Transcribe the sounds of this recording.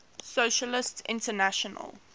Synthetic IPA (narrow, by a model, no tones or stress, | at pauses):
soʃəlɪstsɪ̰̃ntənaʃɔnə̰l